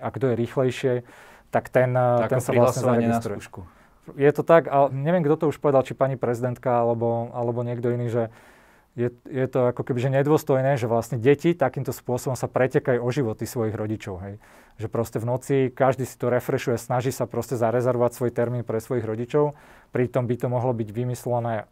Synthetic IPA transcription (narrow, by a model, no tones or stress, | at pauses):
aɡd̪ɔjɛɾiːxlɛjʃɪɛ | t̪akt̪ɛnɛnsaʋlasɲɛzaɾɛɡist̪ɾuɛku | jɛt̪ɔt̪akaɲɛʋɪɛmɡd̪ɔt̪ɔuʃpɔʋɛd̪alt͡ʃipaɲipɾɛzid̪ɛnt̪kaalɛbɔalɛbɔɲɪɛɡd̪ɔiniːʒɛ | jɛjɛt̪ɔakɔkɛbiʒɛɲɛd̪ʊɔst̪ɔjnɛːʒɛʋlasɲɛɟɛcit̪akiːmt̪ɔspʊɔsɔbɔmsapɾɛcɛkajuɔʒiʋɔt̪isʋɔjiɣɾɔɟit͡ʃɔʊɦɛj | ʒɛpɾɔscɛvnɔt͡sikaʒd̪iːsi̥t̪ɔɾɛfɾɛʃujɛsnaʒiːsapɾɔscɛzaɾɛzɛɾʋɔʋacsʋɔjt̪ɛɾmiːnpɾɛsʋɔjiɣɾɔɟit͡ʃɔʊ | pɾit̪ɔmbit̪ɔmɔɦlɔbiɟʋimislɛnɛː